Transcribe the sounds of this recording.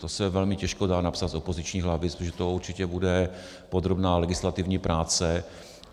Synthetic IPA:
t̪osɛvɛlmɪcɛʃkodaːnapsat̪zopo̞zɪt͡ʃɲiːɦlavɪpʒɛt̪ouɾt͡ʃɪcɛbudɛ | pod̪ɾobnaːlɛɡɪslat̪ɪvɲiːpɾʔaːt͡sɛ

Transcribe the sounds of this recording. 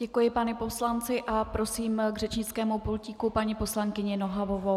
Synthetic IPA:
ɟ̥ɛkujɪpanɛpo̞slant͡sɪʔapɾo̞siːmɡrɛt͡ʃɲɪt͡skɛːmupulciːkupaɲipo̞slaŋkɪɲɪnoɦavovo

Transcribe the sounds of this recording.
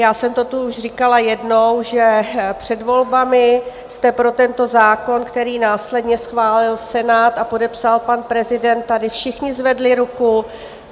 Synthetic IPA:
jaːsɛmt̪ot̪uuʒr̝ɪkalajɛdnowʒɛpr̝̥ɛdvo̞lbamɪ | st̪ɛpɾo̞t̪ɛnt̪o̞zaːko̞nkt̪ɛɾiːnaːslɛdɲɛsxvaːlɪlsɛnaːt̪apo̞dɛpsalpanpɾɛzɪdɛnt̪̚tːadɪfʃɪxɲɪzvɛdlɪɾuku

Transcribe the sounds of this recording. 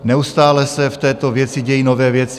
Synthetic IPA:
nɛust̪aːlɛsɛft̪ɛːt̪ovjɛt͡sɪɟɛjinovɛːvjɛt͡sɪ

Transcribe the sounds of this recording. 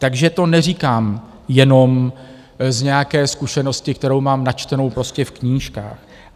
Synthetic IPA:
t̪aɡʒɛt̪o̞nɛr̝iːkaːm | jɛno̞m | zɲɛjakɛːskuʃɛno̞scɪk̚t̪ɛɾo̞wmaːmnat͡ʃt̪ɛno̞wpɾo̞scɛfkɲiːʃka̰ːx

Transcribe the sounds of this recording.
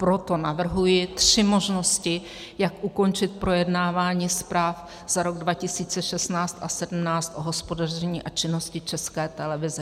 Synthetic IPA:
pɾo̞t̪o̞navr̩ɦujɪt̪r̥ɪmo̞ʒno̞scɪ | jakʔuko̞nt͡ʃɪt̪̚pɾo̞jɛdnaːvaːɲiːspɾaːf | z̥aɾo̞ɡdvacɪsiːt͡sɛʃɛst̪naːt͡st̪ʔasɛdm̩naːt͡st̪ʔoɦo̞spo̞darɛɲiːʔat͡ʃɪno̞scɪt͡ʃɛskɛːt̪ɛlɛvɪzɛ

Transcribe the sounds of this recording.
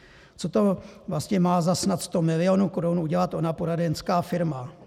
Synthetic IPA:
t͡so̞t̪o̞vlast̪ɲɛmaːzasnat̪st̪o̞mɪlɪo̞nukoɾunuɟɛlat̪ʔo̞napo̞ɾadɛnskaːfɪɾma

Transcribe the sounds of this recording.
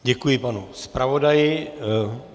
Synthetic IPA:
ɟɛkujɪpanuspɾavodajɪ

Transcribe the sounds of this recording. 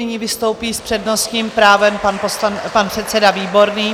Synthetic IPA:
ɪɲivɪst̪o̞wpiːspr̥ɛdno̞st̪ɲiːmpɾaːvɛmpanposlanpanpr̥ɛt̪sɛdaviːbo̞ɾniː

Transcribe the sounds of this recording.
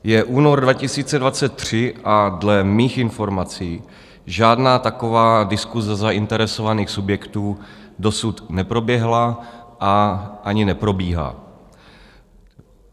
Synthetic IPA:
jɛʔuːnoɾdvacɪsiːt͡sɛdvat͡sɛt̪̚t̪ːr̝̥ɪʔadlɛmiːxɪnfo̞ɾmat͡siː | ʒaːdnaːt̪ako̞vaːdɪskuzɛzaʔɪnt̪ɛɾɛsovaniːxsubjɛkt̪uːdo̞sut̪nɛpɾo̞bjɛɦlaʔaʔaɲɪnɛpɾo̞biːɦa̰ː

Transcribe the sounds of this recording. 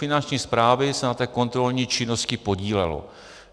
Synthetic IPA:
fɪnant͡ʃɲiːspɾaːvɪsɛnat̪ɛːko̞nt̪ɾo̞lɲiːt͡ʃɪno̞scɪpo̞ɟiːlɛ̰lo̰

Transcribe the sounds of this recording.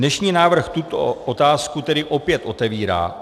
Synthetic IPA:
nɛʃɲiːnaːvr̩xt̪ut̪o̰ʔot̪aːskut̪ɛdɪʔo̞pjɛt̪ʔo̞t̪ɛviːɾa̰ː

